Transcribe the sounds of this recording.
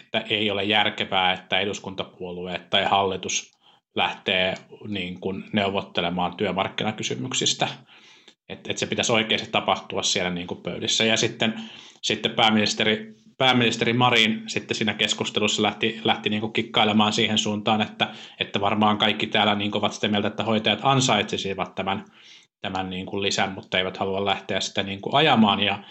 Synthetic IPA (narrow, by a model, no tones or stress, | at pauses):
e̥t̪ːæʔeiolejjærkeʋæːet̪ːæeduskunt̪ɑpuolueːt̪t̪ɑihɑlːit̪us | læht̪eːniːŋkunneuʋot̪ːelemɑːnt̪yømɑrkːinɑkysymyksist̪æ | et̪et̪sepit̪æsoikeisett̪ɑpɑht̪uɑssielæniːŋkuppø̰ylisːæjɑsit̪ːensit̪ːeppæːmːinist̪eri | pæːmːinist̪erimɑrinsit̪ːesiːnækeskust̪elusːɑlæht̪ilæht̪iniːŋkukikːɑilemɑːnsiːhensuːnt̪ɑːnet̪ːæet̪ːæʋɑrmɑːŋkɑikːit̪æːlæniːŋkoʋɑt̪si̥t̪æmiælt̪æet̪ːæhoit̪ɑjɑt̪ɑnsɑit̪sesiʋɑt̪tæmæn | t̪æmænniːŋkullisæmmut̪ːɑeiʋæt̪hɑluɑllæht̪eæssi̥t̪æniːŋkuʔɑjɑmɑːnjɑ